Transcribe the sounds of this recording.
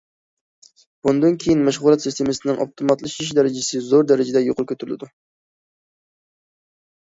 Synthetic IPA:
b̥und̪ɨnkʲʰejinmæʃʁʊlˠɑt̪sist̪ʰemɨsɪnɪŋʔɑ̰pt̪ʰomɑt̪lˠɨʃiʃ̬d̪ɛɾɪd͡ʒɪsɪzoɾd̪ɛɾɪd͡ʒɪd̪ɛjoqʰʊɾkʲʰøt̪yɾylɪ̰d̪u

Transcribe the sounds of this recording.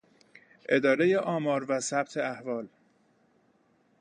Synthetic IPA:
ʔe̞d̪ɒːɾe̞je̞ʔɒːmɒːɾvæsæb̚t̪ʰe̞æhvɒːl

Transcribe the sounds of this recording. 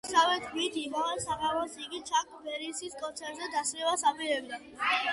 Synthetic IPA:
savɛd̪ɡwit̪ʰimaʁɛlsaʁamɔsiɡit͡ʃʰakʼbɛɾisiskʼɔnt̪sʰɛɾt̪zɛd̪asɾɛwasabiɾɛbd̪a

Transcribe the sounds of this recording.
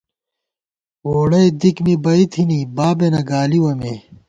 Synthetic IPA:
woːɽɐjd̪ikmibɐit̪ʰinibaːbenɐɡaːliwɐmeː

